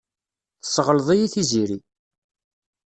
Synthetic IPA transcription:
θə̥sˤːʁələðˤijiθiziɾi

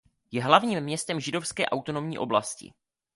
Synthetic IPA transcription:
jɛɦlavɲiːmːɲɛst̪ɛmʒɪdo̞fskɛːʔawt̪o̞no̞mɲiːʔo̞blascɪ̰

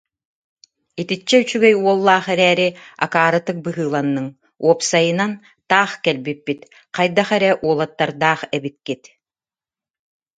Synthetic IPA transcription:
it̪it͡ɕːɛyt͡ɕyɡɛjuɔlˠːaːχɛɾɛːɾia̰kaːɾɯt̪ɯk̚bɯɦɯːlˠanːɯŋ | uɔpsajɯnan | t̪aːχkɛlbipːit̪ | qajd̪aχɛɾɛʔuɔlˠat̪ːaɾd̪aːχɛbikːit̪

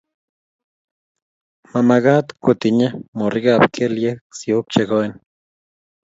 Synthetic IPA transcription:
mamaɡat̪kut̪iɲamoriɡapkʰeljeksjuk̚t͡ʃeɡoen

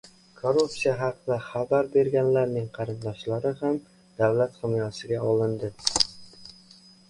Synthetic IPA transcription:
kʰoɾupsijaɦɑqʰɨd̪aχabaɾbe̞ɾɡʲanlaɾnɪŋqʰɑɾɪnd̪ɒʃlaɾɪham | d̪̥awlat̪χɪmijɒsɪɡʲaɒlˠɪnd̪ɪ

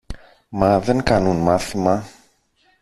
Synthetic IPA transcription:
mɐðe̞ŋkɐnunmɐθimɐ

